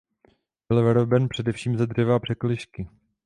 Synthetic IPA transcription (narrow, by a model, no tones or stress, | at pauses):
bɪlvɛɾobɛnpr̥ɛdɛfʃiːmzad̪rɛvaːpr̝̥ɛklɪʃkɪ